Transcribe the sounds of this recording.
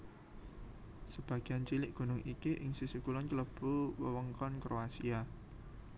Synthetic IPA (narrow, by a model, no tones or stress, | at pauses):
səb̥ä̤ɡ̥iant͡ʃilɪʔɡ̥ṳnʊŋʔikiʔɪŋsisukulɔnkələb̥uwəwəŋkɔnkɾoasia